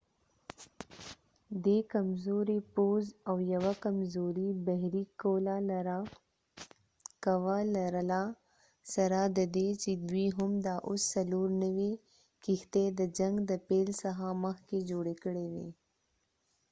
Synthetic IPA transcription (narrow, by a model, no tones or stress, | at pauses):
d̪ekamzoɾepozawjɐwakamzoɾibaɦɾikolaɾ | kawalaɾəla | sɐɾad̪əd̪et͡ʃed̪wiɦʊmd̪aʔʊsːɐloɾnəwe | kixt̪ed̪əd͡ʒaŋɡd̪əpelsaɦaməxked͡ʒoɽekəɽed̪ḛ